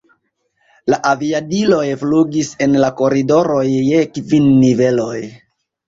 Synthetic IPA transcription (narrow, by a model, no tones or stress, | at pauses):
laʔaviadilo̞jfluɡise̞nlako̞ɾido̞ɾo̞jːe̞kvinːive̞lo̞j